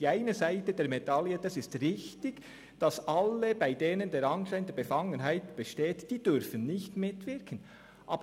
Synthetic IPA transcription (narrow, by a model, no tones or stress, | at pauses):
iːaɪnəzaɪtədeːɾmedɑljəd̥ɑsɪstʁɪçtɪɡ | d̥ɑsʔɑləbaɪdeːnəndeːɾɑnʃaɪndɛb̥efɑŋənɦaɪtb̥əʃteːtd̥iːd̥ʏɾfənnɪçtmɪtv̥ɪɾkʰən̩ | ʔɑ̰ːb